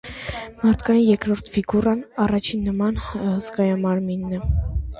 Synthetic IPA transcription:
mɑɾt̪ʰkɑjinjɛkɾɔɾt̪ʰviɡurɑnɑrɑt͡ʃʰinːəmɑnsɡɑjɑmɑɾminːɛ

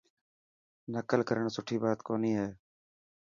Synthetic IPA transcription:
nəkəlkəɾəɳsʊʈʰiːbaːt̪koːniːɦɛː

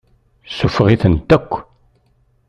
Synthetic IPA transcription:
sʊfʁiθənt̪ækʷː

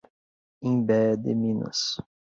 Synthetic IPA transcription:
ẽj̃bɛd̪ɪ̰mĩnɐ̰s

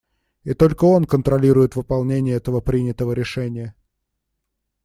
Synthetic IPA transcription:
ɪt̪o̞lʲkəo̞nkənt̪ɾɐlʲiɾʊjɪt̪vɨpɐlˠnʲenʲɪjəɛt̪əvəpɾʲinʲɪt̪əvəɾʲɪʂɛnʲɪjə

